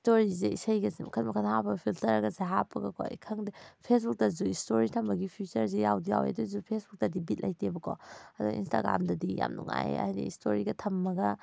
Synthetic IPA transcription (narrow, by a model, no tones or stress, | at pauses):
stoɾizeisɐjɡɐzemɐkʰɐtmɐkʰɐnhapɐɡɐpʰiltɐɾɐɡɐzeɦapʰːɐɡɐkʰo̰kʰɐŋdipʰesbuk̚tɐzuistoɾitʰɐmbɐɡipʰjut͡ʃɐɾzejawdija̰wḛdɔzupʰesbuk̚tɐdibit̚lʔɐjtʰebɐkʰo̰ɐduḭnsta̰ɡɾa̰mdɐdija̰mnṵŋa̰j̰ɐ̰hjdḭistoɾiɡɐtʰɐmːɐɡɐ